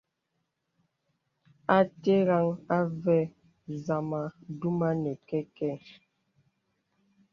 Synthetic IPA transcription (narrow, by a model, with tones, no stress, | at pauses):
a˨te˦ɣa˦ŋa˦vɛ˦˨ | za˨ma˨du˦ma˦nɛ˨kɛ˦kɛ˦˨